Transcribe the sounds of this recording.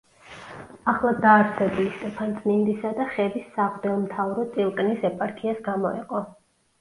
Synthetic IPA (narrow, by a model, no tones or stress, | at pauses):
aχlˠad̪aːɾsɛbulist̪ʼɛpʰant̪sʼʰnind̪isad̪aχɛvisːaʁd̪ɛlmt̪ʰavɾɔt̪sʼilˠkʼnisɛpʼaɾkʰiasɡamɔḭqʼɔ